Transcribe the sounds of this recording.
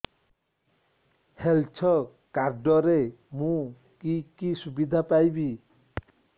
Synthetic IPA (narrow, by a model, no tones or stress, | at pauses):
helt͡ʃʰɔ | kaɾɖɔɾe | mũ | kikisubid̪ʱapajbi